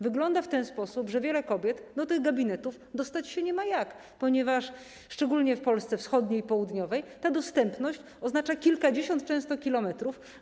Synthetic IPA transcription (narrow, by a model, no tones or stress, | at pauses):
vɘɡlɔnd̪aft̪ɛnspɔsupʐɛvʲjɛlɛkɔbʲjɛt̪d̪ɔt̪ɘɣɡabʲinɛt̪uf | d̪ɔst̪at͡ɕɕɛɲɛmajak | pɔɲɛvaʂ | ʂt͡ʂɛɡulɲɛfpɔlst̪sɛfsxɔd̪ɲeipɔwud̪ɲɔvɛjt̪ad̪ɔst̪ɛmpnɔɕt͡ɕ | ɔznat͡ʂakʲilkad͡ʑeɕɔnt̪̚t͡ʂɛ̃w̃st̪ɔkʲilɔmɛt̪ɾuf